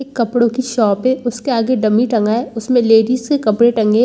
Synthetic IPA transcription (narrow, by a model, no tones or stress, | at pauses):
eːkːɐpɽokiʃɔːpɦeʊskeaːɡeɖɐmiʈɐ̃ŋɡaːɛʊsmẽleːɖiːzkekɐpɽeʈɐ̃ŋɡẽː